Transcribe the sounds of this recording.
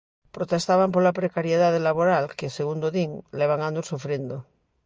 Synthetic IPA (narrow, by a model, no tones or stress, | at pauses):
pɾot̪est̪aβampoɾlapɾekaɾjeðaðelaβoɾalkeseɣund̪oðiŋleβ̞aŋand̪osofɾjend̪o